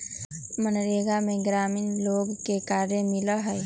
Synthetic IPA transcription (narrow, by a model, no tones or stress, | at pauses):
mənɾeɡameɡɾaminloɡkekaɾjemiləɦəj